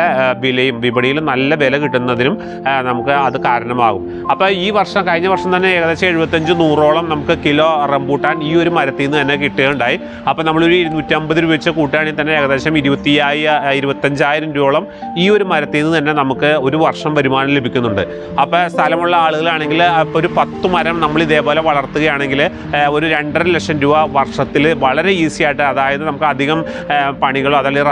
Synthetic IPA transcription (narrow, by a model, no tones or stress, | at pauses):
ɐbilɐjumʋibɐɳijilnɐlːɐʋe̞lɐkiʈːunːɐðinum | nɐmukːɨɐðɨkaːɾɐɳɐma̰ːɣum | ɐpːoːiːʋɐrʂɐmkɐɻiɲːɐʋɐrʂɐmt̪ɐnːe̞ːɣɐðeːɕɐmeɻubɐt̪ːɐɲd͡ʑɨnuːroːɭɐmnɐmukːɨkilo̞ːrembuːʈːaːniːo̞ɾumɐɾɐt̪ːijnːɨt̪ɐnːe̞kiʈːeɐuɳɖaːji | ɐpːoːnɐmːɐɭoɾunutːɐmbɐðiɾuʋɐt͡ɕːɨkuːʈːijaːɳint̪ɐnːe̞eːɣɐðe̞ːɕɐmiɾubɐt̪ːijaːjiiɾubɐt̪ːɐɲd͡ʑaːjiɾɐmɾuːɭɐm | iːo̞ɾumɐɾɐt̪ːijnːɨt̪ɐnːe̞nɐmukːɨo̞ɾuʋɐrʂɐmpɐɾumaːnɐmle̞bʱikʲːunːuɳɖɨ | ɐpːoːst̪ʰɐlɐmuɭːɐaːɭuɣɐɭaːɳe̞ŋɡiloɾupɐt̪ːɨmɐɾɐmnɐmːɐɭiðe̞ːpo̞ːle̞ʋɐɭɐrt̪ːuɣɐjaːɳe̞ŋɡil | o̞ɾuɾe̞ɳɖɐlekʂɐnɾuʋɐʋɐrʂɐt̪ːilʋɐɭɐɾe̞iːsijaːjiʈːɨɐðaːjɐðɨnɐmukːɨɐd̪ʱiɣɐm | pɐɳiɣɐɭoɐðaːɭir